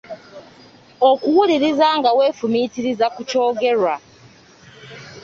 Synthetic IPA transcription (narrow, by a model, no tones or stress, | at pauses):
okuwuliɾizaŋɡawe̞ːfumitiɾizakuco̞ːɡe̞ɾwa